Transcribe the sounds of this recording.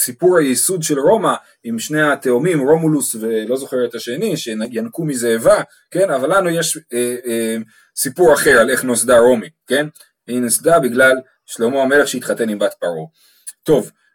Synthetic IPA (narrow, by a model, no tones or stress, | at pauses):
sipuʁhajisudʃelʁo̞ma | imʃneat̪eomimʁo̞mulusve̞lo̞zo̞χeʁet̪aʃeniʃejankumizeːva | ke̞navalːanujeʃe | sipuʁaχe̞ʁale̞χnosdaʁo̞mike̞n | veinosd̪abiɡlal | ʃlomoame̞leχʃeit̪χat̪e̞nimbat̪paʁo | t̪o̞v